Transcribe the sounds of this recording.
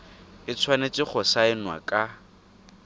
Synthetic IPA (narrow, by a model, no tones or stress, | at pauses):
ɪt͡sʰwanet͡ʃʼɪk͡xʰɔsaɪnwa̰kʼa